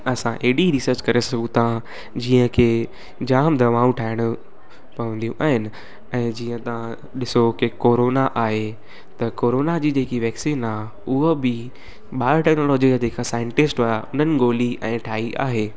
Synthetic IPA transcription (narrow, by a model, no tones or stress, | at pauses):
ɐsãʔeːɖiɾisəɾt͡ɕkɐɾesɐɡũt̪ʰã | d͡ʑiːə̃kʰeː | d͡ʑaːmd̪ʱɐʋaːũʈʰaːɪɽ̃ʊ | pɐʋə̃nd̪ijũʔa̰ːɦɪnɪ̆ | ɛ̃ːd͡ʑiːə̃t̪ɐʋ̤ã | ɗɪsokekoːɾoːnaʔaːɦe | t̪ɐkoːɾoːnad͡ʑiːd͡ʑeːkiʋɛːksiːnaːɦ | ʊɦobɪ | ɓaːʈɛːknoːlɔːd͡ʑid͡ʑad͡ʑeːkʰasaːɪ̃ɳʈɪsʈaʊn̤ənɪ̆ɡoːliɛ̃ːʈʰaːiʔa̰ːɦeː